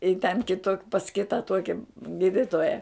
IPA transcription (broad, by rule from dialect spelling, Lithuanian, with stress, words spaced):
ɪ tʲɛn ˈkʲɪtoː pɐs ˈkʲɪtɐ ˈtuɔkʲɪ ˈɡʲiːdʲɪtoːjɛ